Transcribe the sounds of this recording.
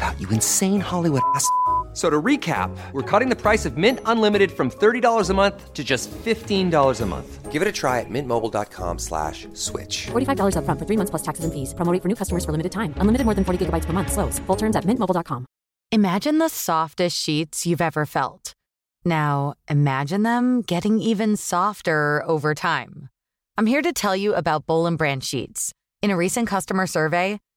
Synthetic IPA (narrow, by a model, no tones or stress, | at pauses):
əb̥aʊt͡ʃɨɨ̃nsẽɪ̃nhɑlˠiwʊɾssoʊɾəɹikʰæ̰p̚wəɹkʰʌɾɪ̃ŋðɨpʰɹ̥aɪsʌvmɪ̃ntə̃nlɪ̃mɨɾɨd̥fɹʌ̃mθɜ˞ɾidɔlˠə˞zəmʌ̃nθtʰɨd͡ʒʌstfɪftĩndɔlˠə˞zəmʌ̰̃nθɡ̥ɪvɨɾɨtʰɹ̥aɪɨ̰t̚mɪ̃nmoʊbl̩ˠdɑ̰t̚kʰɑ̰̃mslæ̰ʃ | swɪ̰t͡ʃfɔɹɾifaɪvdɔlˠə˞zʌfɹʌ̃ntfə˞θɹimʌ̃nθspl̥ʌstʰæksɨzɨ̃nfiz̥pɹ̥əmoʊɾɪ̃ŋfə˞nʉkʰʌstəmə˞z̥fə˞lɪmɨɾɨd̚tʰãɪ̃mə̃nlɪ̃mɨɾɨd̚mɔɹðɨ̃nfɔɹɾiɡɪɡəbaɪtspə˞mʌ̃nθsloʊsfʊlˠtʰɜ̃˞mzɨt̚mɪ̃nʔmoʊblˠɑt̚kʰɑ̃m | ɨmæd͡ʒɨ̃nðəsɔftɨstʃitsjʉvɛvə˞fɛ̰lˠt | naʊʔɨmæd͡ʒɨ̃nðə̃mɡ̥ɛɾɪ̃ŋivɨ̃nsɔftə˞oʊvə˞tʰãɪ̃m | ãɪ̃mhiɹɾɨtʰɛlˠjɨʔəbaʊt̚b̥oʊlˠə̃nbɹæ̃nʃḭts | ɨ̃ñɨɹisɨ̃nkʰʌstəmə˞sɜ˞veɪ